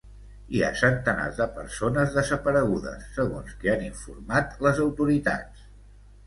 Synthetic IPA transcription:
ia̰sənt̪əna̰zðəpəɾsonəzðəzəpəɾəɣuðə̰sːəɣonskeaniɱfṵrmat̪ləzəwt̪uɾit̪a̰t͡ss

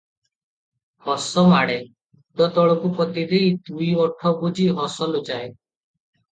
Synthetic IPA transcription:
hɔsɔmaɽe | d̪ɔt̪ɔɭɔkupɔt̪id̪ejd̪uiɔʈʰɔbud͡ʒiɦɔsɔlod͡ʒae

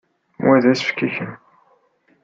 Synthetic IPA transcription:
wæðæsfkːæçən

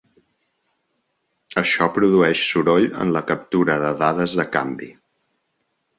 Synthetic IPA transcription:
əʃɔpɾuðuɛʃsuɾoʎə̰nləkəp̚t̪uɾəðəðaðəzðəkambi

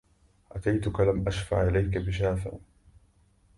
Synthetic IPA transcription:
ʔat̪ajt̪ʊkalamʔaʃfa̰ʕʔɪlajkabɪʃ̬aːfɪ̰ʔ

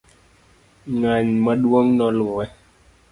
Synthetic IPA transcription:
ŋaɲmaɗuoŋnɔ̃luɛ

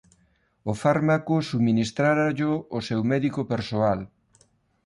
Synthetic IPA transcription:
ʊfaɾmakosuminist̪ɾaɾaʎoːsewmɛðikopeɾsoal

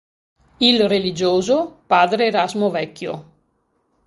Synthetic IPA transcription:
ilrelid͡ʒoːzopaːd̪ɾeːɾazmovɛkːjo̰

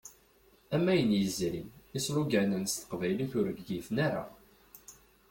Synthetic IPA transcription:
æmːæjənjəzɾḭnisluɡænənst̪ə̥qvæjliθʊɾəɡɡifnaɾa̰

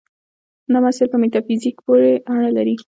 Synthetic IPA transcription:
namasɪɾpəmet̪ɑfizikpoɾeaɳ̃əlaɾi

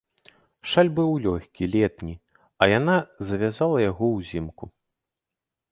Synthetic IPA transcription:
ʂalʲbɨwlʲɔxʲkʲilʲɛt̪nʲi | ɐjanazɐvʲazalˠɐjaɣɔwzʲimku

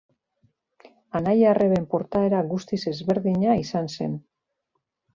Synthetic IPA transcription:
anajarʔe̞βe̞mpo̞ɾt̪ae̞ɾaɣust̪ise̞zβe̞ɾðiɲaisanse̞̰n

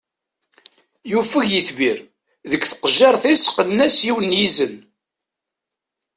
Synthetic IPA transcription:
jufəʝjiθbiɾ | ðəkːθə̥qʒːɑɾˤθisqənːæsjiwənjizən

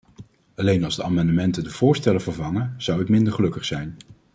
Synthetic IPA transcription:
ɑlejnɑlˠzdəʔa̰ːmɑndəmɛntədəv̥ʊːɹstɛləvəɹvɑŋəz̥ʌwətmɪndəɹχəlɵkəχsɛjn

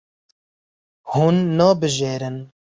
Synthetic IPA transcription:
hunːɑːbɨʒeːɾɨn

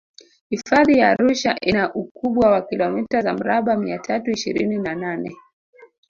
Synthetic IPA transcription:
hifaðijaːɾuʃaʔinaʔukuɓwawakilɔmitazam̩ɾaɓamiatʰatuiʃiɾḭninananɛ

